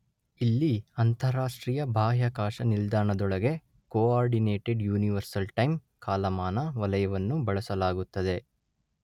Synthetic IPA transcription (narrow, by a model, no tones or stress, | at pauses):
ilːiɐnt̪ʰɐɾaːʂʈɾiːjɐbʱaːɦjakaːʂɐnild̪aːɳɐd̪ɔɭɐɡe̞ | koːaːɾɖineːʈeɖjuːniʋɐɾsɐlʈɐjm | kaːlɐmaːnɐʋɐlɐjɐʋɐnːubɐɭɐsɐlaːɡut̪ːɐd̪e̞